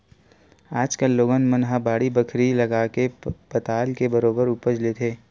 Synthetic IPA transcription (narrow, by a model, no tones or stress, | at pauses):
aːd͡ʒkəlːoːɡənmənɦãbaːɽibəkʰɾilɐɡaːkepɐt̪aːlkebɐɾoːbəɾʊpəd͡ʒlet̪ʰeː